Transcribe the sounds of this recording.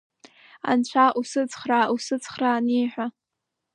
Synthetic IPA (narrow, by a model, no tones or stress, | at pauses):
a̰nt͡ɕʷʰaʔusɨt͡sʰʼχrausɨt͡sʰʼχraːniħʷᶣa